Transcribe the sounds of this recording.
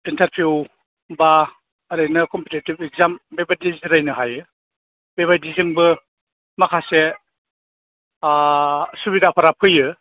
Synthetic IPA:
intaɾpʰiw | ba | ɾɯjnɐkɔmpitetibek̚zambebadizɾajnɯɦajɯ | beβajdizɯŋbɯ | makʰase | subidapʰaɾapʰɯjɯ

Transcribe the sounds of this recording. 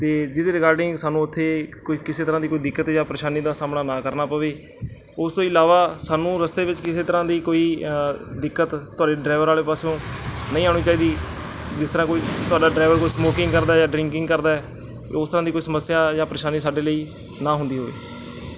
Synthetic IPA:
t̪eːd͡ʒɪd̪eːɾɪkaːɾɖɪ̃ŋɡsaːnũːʊt̪ʰːeːkkɪseːt̪əɾãːd̪iːkoːiːd̪ɪkːət̪jãːpəɾeːʃaːniːd̪aːsaːmɽaːnãːkəɾnaːpəʋeː | ʊst̪õːɪlaːʋaːsaːnũːɾəst̪eːʋɪt͡ʃkɪseːt̪əɾãːd̪iːkoːiːd̪ɪkːət̪t̪ːʊaːɖeːɖɾaːɪʋəɾaːleːpaːsjõːnəĩːaːɽ̃iːt͡ʃaːiːd̪iːd͡ʒɪst̪əɾãːkoːiːt̪ʊaːɖaːɖɾaːʋəɾkoːiːsmoːkɪ̃ŋɡkəɾd̪aːjãːɖɾɪ̃ŋkɪ̃ŋɡkəɾd̪aːɛː | ʊst̪əɾãːd̪ikoːiːsəməsːɪjaːjãːpɾeːʃaːniːsaːɖeːləiː | nãːɦʊ̃nd̪iːɦoːḭː

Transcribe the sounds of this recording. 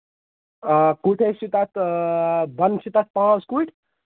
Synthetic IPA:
kuʈʰeʃit̪at̪ | bɐnʃit̪at̪̚pãːt͡skuiʈ

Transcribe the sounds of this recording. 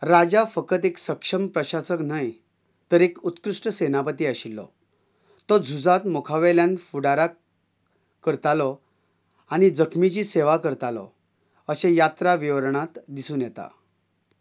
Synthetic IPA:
ɾad͡ʑafəkət̪eksəkʂəmpɾəɕasəknaj | t̪əɾekut̪kɾuʂʈəsenapət̪iːəɕilːɔ̰ | t̪ɔd͡zʱud͡zat̪mokʰaʋɛljãnfuɽaɾa | kəɾt̪alɔ | añid͡zəkʰmit͡ɕiːseʋakəɾt̪alɔ̰ | əɕẽjat̪ɾaʋiʋɾɳat̪d̪isuːnjɛt̪a̰

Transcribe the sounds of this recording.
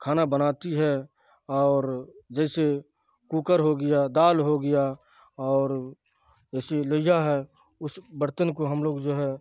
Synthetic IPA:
kʰaːnabənaːt̪iɦɛ | ɔːɾd͡ʒɛːse | kuːkəɾɦoɡəjad̪aːlɦoɡɪja | ɔːɾ | d͡ʒɛːseləjaɦɛ | ʊsbəɾt̪ənkoɦəmloːɡd͡ʒoːɦɛ

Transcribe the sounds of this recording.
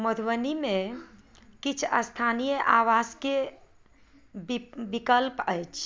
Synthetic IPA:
məd̪ʱʋənimẽ | kit͡ʃʰəst̪ʰanijəʔaʋaske | bbikəlpəjt͡ʃʰ

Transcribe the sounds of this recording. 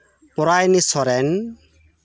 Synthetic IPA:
pɔɾajnisɔɾɛn

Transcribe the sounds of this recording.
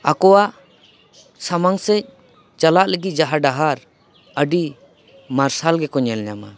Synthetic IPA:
akɔwaʔ | samaŋsɛc̚ | t͡ʃalaʔləɡid͡ʒaɦaɖaɦaɾ | əɖi | maɾsalɡɛkɔɲɛlɲama̰

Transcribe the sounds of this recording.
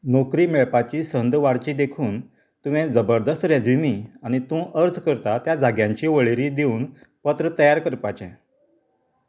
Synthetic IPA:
nokɾiːmeɭpat͡ɕiːsənd̪ʋaɽt͡ɕiːd̪ekʰuːn | t̪uʋẽd͡zəbəɾd̪əst̪ɾjad͡zimiːañit̪ũʔəɾd͡zkəɾt̪at̪jad͡zʱaɡjãɲt͡ɕiːʋəɭeɾid̪euːn | pət̪ɾət̪əjaɾkəɾpat͡ɕɛ̰̃

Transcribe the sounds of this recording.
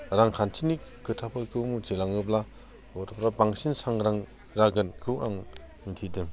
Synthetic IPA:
ɾaŋkʰantʰinikɯtʰapʰɯkʰɯwmud͡ʒelaŋɯbla | ɡɔtʰɔpɾabaŋsinsaŋɾaŋ | ɾaɡɯnkʰɯwaŋ | muntʰidɯm

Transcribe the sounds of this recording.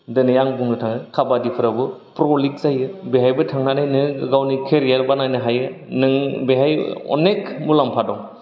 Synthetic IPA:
dɯnɯjaŋbuŋnɯtʰaŋɯkʰabadipʰɯɾabɯpɾɔlik̚zajɯbeɦajbɯtʰaŋnanajnɯɡawnikʰeɾijaɾbanajnɯɦajɯ | nɯŋbeɦajɔ̰nekmulampʰadɔŋ

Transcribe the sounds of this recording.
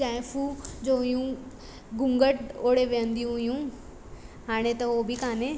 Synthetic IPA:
aːfʰuːd͡ʒoːɦjũː | ɡʊ̃ŋɡəʈoːɽeʋẽːə̃nd̪ijũɦjũː | ɦaːɽ̃et̪ɐoːbʱikaːneː

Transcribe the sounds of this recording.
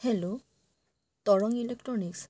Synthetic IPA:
helʊ | t̪ɔɹɔŋilek̚tɹɔniks

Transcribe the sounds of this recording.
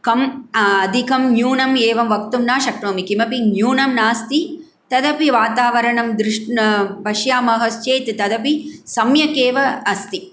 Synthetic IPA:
kɐmɐd̪ʱikɐmnjuːnɐmeːʋɐmʋɐkt̪umnaːʃɐkɾoːmikimɐpinjuːnɐmnaːst̪i | t̪ɐd̪ɐpiʋaːt̪aːʋɐɾɐɳɐmd̪ɾɪʂʈnɐbʱɐʃjaːmɐɦɐst͡ʃeːjt̪t̪ɐd̪ɐpisɐmjɐkeːʋɐːst̪i

